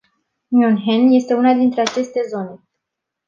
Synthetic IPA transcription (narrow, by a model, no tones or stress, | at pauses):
njunɦenje̞st̪e̞unad̪int̪ɾe̞at͡ʃe̞st̪e̞zo̞ne̞